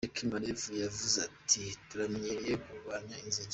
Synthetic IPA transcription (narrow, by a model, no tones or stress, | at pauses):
ekʰimaɾevujavuzatʰituɾamɲiɾejekuβaɲainziɟ